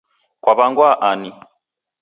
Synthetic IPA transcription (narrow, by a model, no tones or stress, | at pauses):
kwaβaŋɡwaʔani